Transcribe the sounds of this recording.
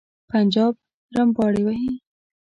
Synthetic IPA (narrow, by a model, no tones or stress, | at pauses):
pand͡ʒɑb̚ | ɾambɑɽiwaɦi